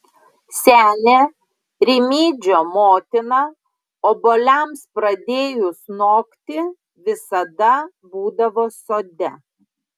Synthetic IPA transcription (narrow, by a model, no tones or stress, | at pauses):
sʲæːnʲeː | ɾʲɪmʲiːd͡ʒʲoːmoːt̪ʲɪnɑ | oːbolʲɛˑmspɾɐd̪ʲeːjʊsnoːkt̪ʲɪ | ʋʲɪsɐd̪ɐ | buːd̪ɐʋoːsoːd̪ʲɛ